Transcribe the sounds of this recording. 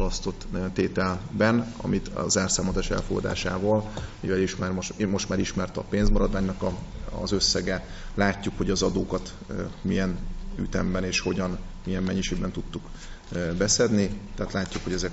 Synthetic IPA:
lɒst̪o̞t̪t̪ːeːt̪ɛlbɛnɒ̰mit̪zaːrsaːmozaːʃɛ̰lfoɡɒ̰d̪a̰ːʃa̰ːvɒːlmivɛliʃmaːrmomo̞ʃt̪maːɾiʃmɛrt̪ɒpeːnzmɒɾɒd̪vaːɲnɒkɒɒ̰zøsːɛɡɛ | laːcːukho̞ɟɒzɒd̪oːkɒt̪ | mijɛny̰t̪ɛmbɛneːʃho̞ɟɒnmijɛmːɛɲːiʃeːɡ̚bɛnt̪ut̪ːuk | bɛsɛd̪nit̪ɛɦːt̪laːcːukho̞ɟɛzɛk

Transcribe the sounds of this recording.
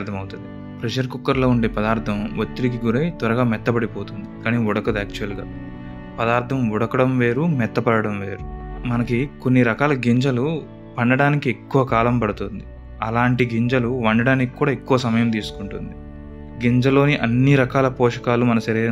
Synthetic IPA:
ɾt̪ʰɐmɐwut̪und̪i | pɾeʃɐɾkukːɐɾlo̞ːuɳɖe̞ːpɐd̪aːɾt̪ʰɐmʋot̪ːiɾikiɡuɾɐjt̪ʋɐɾɐɡaːmɛt̪ːɐpɐɽipoːt̪und̪ikaːniɔɽɐkɐd̪aːk̚t͡ʃuʋɐlɡa̰ː | pɐd̪aːɾt̪ʰɐmɔɽɐkɐɽɐmʋe̞ːɾumɛt̪ːɐpɐɽɐɽɐmʋe̞̰ːɾumɐnɐkiko̞nːiɾɐkaːlɐɡiɲd͡ʒɐlu | ʋɐɳɖɐɽaːnikiekːuʋɐkaːlɐmpɐɽut̪und̪i | ɐlaːɳʈiɡiɲd͡ʒɐluʋɐɳɖɐɽaːniki̥kːuːɽaːekːuʋɐsɐmɐjɐmt̪iːsu̥kuɳʈund̪i | ɡiɲd͡ʒɐlo̞ːniʔɐnːiɾɐkaːlɐpɔːʂɐ̥kaːlumɐnɐsɐɾeː

